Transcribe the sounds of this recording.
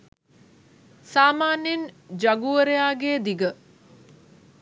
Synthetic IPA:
saːmaːnend͡ʒɐɡuəɾejaːɡeːd̪iɡə

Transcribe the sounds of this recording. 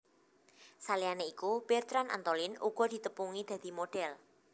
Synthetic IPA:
salianeikub̥ɛrt̪ɾanʔa̰nt̪olɪnuɡ̥ɔ̤d̪̥i̤t̪əpuŋid̪̥ä̤d̪̥i̤moɖ̥ɛl

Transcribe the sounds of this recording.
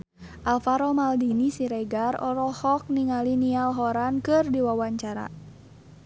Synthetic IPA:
ʔalfaɾɔmaldinisiɾɛɡarɔ̰ɾɔhɔk̚niŋalinialɦɔɾankɨrdiwawaɲt͡ʃaɾa̰

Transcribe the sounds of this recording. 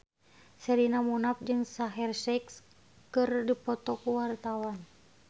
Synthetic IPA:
sɛɾinamunap̚d͡ʒɨŋsaɦɛrsɛks | kɨrdipɔt̪ɔkuwart̪awan

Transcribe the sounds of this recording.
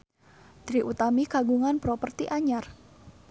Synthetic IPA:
d̪̥ɾiʔut̪amikaɡuŋanpɾɔpərt̪iʔaɲar

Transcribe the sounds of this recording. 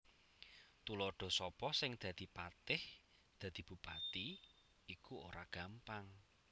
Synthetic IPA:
t̪ulɔɖ̪̥ɔ̤sɔpɔsɪŋd̪̥a̤d̪̥i̤pat̪ɪh | d̪̥ä̤d̪̥i̤b̥ṳpat̪i | ikuo̰ɾaɡ̥ä̤mpaŋ

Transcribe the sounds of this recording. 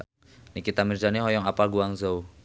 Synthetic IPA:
nikit̪amird͡ʒaniɦɔjɔŋapalɡuaŋzau

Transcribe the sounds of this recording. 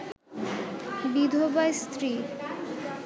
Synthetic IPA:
bid̪ʱobajst̪ɾi

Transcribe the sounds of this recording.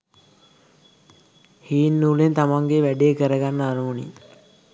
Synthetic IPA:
hiːnːulent̪amaŋɡeʋæɖeːkəɾəɡanːəaɾumunḭ

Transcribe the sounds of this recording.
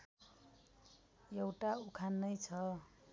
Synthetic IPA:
jewʈaukʰanːʌjt͡sʰʌ

